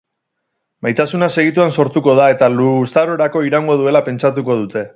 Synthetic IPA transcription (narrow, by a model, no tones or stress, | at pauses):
majt̪asunase̞ɣ̞it̪uanso̞ɾt̪uko̞ð̞ae̞t̪alusaɾo̞ɾako̞iɾaŋɡo̞ð̞ue̞lape̞nt͡ʃat̪̬uko̞ð̞ut̪e̞